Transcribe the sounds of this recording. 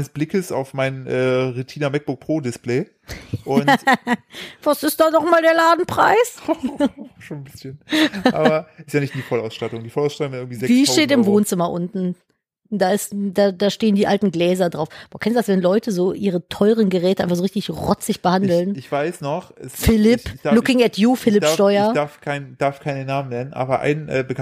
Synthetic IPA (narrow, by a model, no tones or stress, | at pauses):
nəsb̥lɪkəsa̰ʊfmaɪnʔɛːʁutʰiːnɐmɛk̚b̥ʊk̚pʁ̥oːdɪsplɛː | ʔʊn | v̥asɪst̚d̥aːnɔχmaːldeːɐlaːdn̩pʁ̥a̰ɪs | ʃoːnnbɪsçənʔa̰ːbɐɪstjaːnɪçtdiːfɔlaʊsʃtatʊŋdiːfɔlaʊsʃtatʊŋɪnɪɡŋ̩tv̥izɛviːʃteːtɪmvoːnt͡sɪmɐʔʊntn̩ | d̥aːɪstdaːdaːʃteːəndiːʔaltn̩ɡlɛːzɐdʁaʊfb̥oːɐkʰɛnstudasvɛnlɔʏtəzoːʔiːʁətʰɔʏʁənɡəʁɛːtəʔaɪnfaχzoʁɪçtɪçʁɔt͡sɪçb̥əhandl̩nɪçv̥aɪsnɔχɛsfɪlɪpd̥alʊkɪŋɛtʰjuːfɪlɪdʃɐtɔʏɐɐdaɐfkʰaɪnd̥aɐfkʰaɪnənːaːmənɛnənʔa̰ːbɐʔa̰ɪnʔɛ̰ːbək